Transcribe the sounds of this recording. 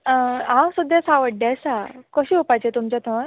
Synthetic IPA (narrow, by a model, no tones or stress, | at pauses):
ãwsud̪ʱjasaʋəɽːjasakəɕiːɦopajt͡ɕet̪umt͡ɕjat̪ʰəɾ